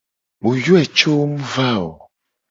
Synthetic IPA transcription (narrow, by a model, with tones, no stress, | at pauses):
mu˨ju˦ɛ˨t͡ʃo˦mu˦va˦˨ɔ˨